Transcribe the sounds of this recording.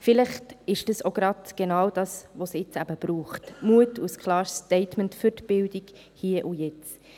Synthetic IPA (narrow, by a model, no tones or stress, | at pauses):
fɪlɪχtɪʃd̥ɑsoɡ̥ɾɑtɡ̥enɑːwd̥ɑːsʋosɪt͡sæbəb̥ɾuːχtmuətuskʰlɑːʃtɛɪtməntfʏɾtb̥ɪldik | hiːəʔujɛt͡s